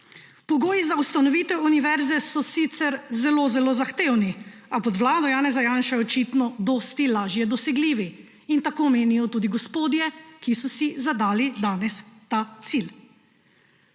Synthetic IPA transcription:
pɔɡoːjizaust̪anɔʋiːt̪ɛwuniʋɛɾzɛsɔsit̪sɛɾzɛloːzɛlozaxt̪eːwniapɔd̪wlaːd̪ɔjaːnɛzajaːnʃɛɔt͡ʃit̪nɔd̪ɔːst̪ilaːʒjɛd̪ɔsɛɡliːʋi | int̪akoːmeːnijɔt̪uːd̪iɡɔspoːd̪jɛkisɔsizad̪aːlid̪aːnɛst̪at̪sil

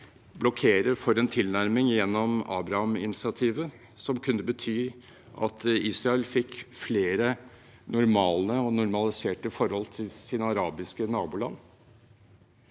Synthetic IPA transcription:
blɔkʰeːɾəɾfɔɾɛːnt̪ʰɪlnæɾmɪŋjɛnːɔmɑ̰ːbɾɑhɑmɪ̰nɪsɪɑt̪ʰiːʋə | sɔmkʰʉnːəbət̪ʰyː | ʔɑ̰t̪iːsɾɑɛlfɪkːfleːɾə | nʊɾmɑːləɔnʊɾmɑlɪseːʈəfɔɾhɔlt̪ʰɪlsiːnəɑɾɑːbɪskənɑːbuːlɑ̰nː

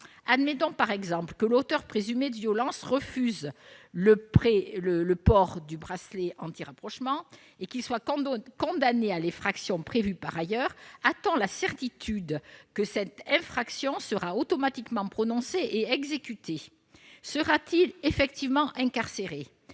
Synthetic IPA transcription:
ad̪met̪ɔ̃paʁɛɡzɑ̃plkəlot̪œʁpχezymed̪əvjɔlɑ̃sʁəfyzləpχelələpɔʁd̪ybʁasleʔɑ̃t̪iʁapχɔʃmɑ̃ | ekilswakɔ̃d̪anealɛ̃fχaksjɔ̃pχevypaʁajœʁat̪ɔ̃lasɛʁt̪it̪ʰyd̪kəsɛt̪ɛ̃fχaksjɔ̃səʁaot̪ɔmat̪ikmɑ̃pχɔnɔ̃seʔeɛɡzekʲyt̪ʰe | səʁat̪ilefɛkt̪ivmɑ̃ʔɛ̃kaʁseʁe

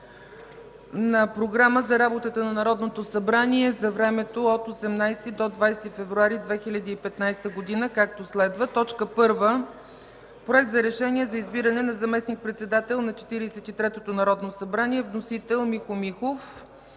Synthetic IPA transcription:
nɐpɾoɡɾaməzɐɾabot̪ət̪ənɐnɐɾɔd̪not̪osɐbɾaniɛzɐvɾɛmɛt̪oot̪osɛmnajst̪id̪od̪vajst̪ifɛvɾuaɾid̪vɛxilʲɐd̪iːpɛt̪najst̪əɡod̪inəkak̚t̪oslɛd̪vət̪ɔt͡ʃkəpɤɾvə | pɾoɛk̚t̪zɐɾɛʃɛniɛzɐizbiɾənɛnɐzɐmɛsnik̚pɾɛt̪sɛd̪at̪ɛlˠnɐt͡ʃɛ̥t̪iɾisɛt̪it̪ɾɛt̪ot̪onɐɾɔd̪nosɐbɾanʲiɛvnosit̪ɛlˠmixomixof

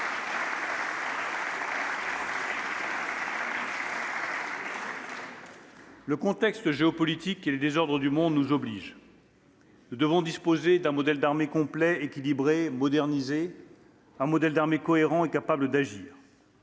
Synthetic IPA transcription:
ləkɔ̃t̪ɛkst̪ʒeɔpɔlit̪ikeləd̪ezɔʁd̪ʁəd̪ymɔ̃d̪nuzɔbliʒ | nud̪əvɔ̃d̪ispozed̪ɛ̃mɔd̪ɛld̪aʁmekɔ̃plɛekʲilibʁemɔd̪ɛʁnize | ɛ̃mɔd̪ɛld̪aʁmekɔeʁɑ̃ekapabləd̪aʒḭːʁ

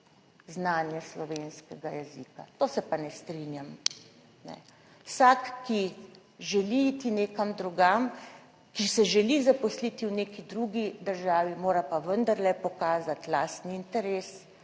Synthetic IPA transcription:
znaːnjɛslɔʋeːnskɛɡajɛziːka̰t̪oːsɛpanɛst̪ɾinjam | nɛ̰ | wsakːi | ʒɛliit̪ineːkamd̪ɾuɡam | kisɛʒɛlizapɔslit̪iwneːkid̪ɾuɡid̪əɾʒaːʋimoːɾapaʋənd̪aɾlɛpɔkaːzat̪laːst̪niːnt̪ɛɾeːs

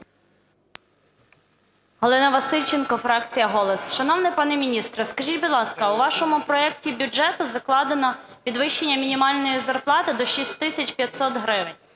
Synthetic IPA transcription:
ɦɔlˠɪnɐʋɐsɪlʲt͡ʃenkɔfɾɑkt͡sʲijɐɦɔlˠɔsʃɐnɔwnɪpɑnɛmʲinʲist̪ɾɪskɐʒʲitʲbʊd̪lˠɑskɐuʋɑʃɔmʊpɾɔɛktʲibʲʊd͡ʒɛt̪ʊzɐklˠɑd̪enɐ | pʲid̪ʋɪʃːenʲːɐmʲinʲimɑlʲnɔjizɐrplˠɑt̪ɪd̪ɔʃʲisʲtʲt̪ɪsʲɐt͡ʃpʲjɐt̪sɔt̪ɦɾɪʋɪnʲ

